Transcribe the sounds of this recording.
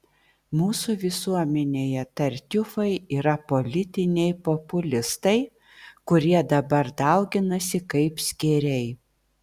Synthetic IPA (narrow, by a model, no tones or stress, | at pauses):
muːsuʋʲɪsuɔmʲɛnʲeːjɛt̪ɐɾʲt̪ʲʊfɐɪiːɾɐpolʲɪt̪ʲɪnʲɛɪpopʊlʲɪst̪ɐɪ | kʊɾʲiɛd̪ɐbɐɾd̪ɐˑʊɡʲɪnɐsʲɪkɐɪpsʲkʲɪɾʲɛɪ